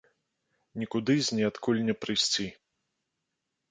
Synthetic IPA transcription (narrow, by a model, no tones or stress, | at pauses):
nʲikud̪ɨzʲnʲɛat̪kulʲnʲɛpɾɨsʲt͡sʲi